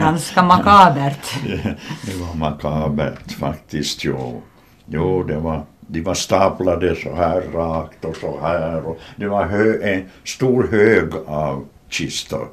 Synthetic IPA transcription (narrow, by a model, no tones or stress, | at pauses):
ɑnskɑmɑkɑːbært̪ | neʋɑmɑkɑːbæ̰rt̪fɑkt̪ist̪joː | joːneʋɑniʋɑst̪ɑplɑdesohærːɑːkt̪osohæroneʋɑhøːest̪uːrhøːɡɑu | t͡ʃist̪o̰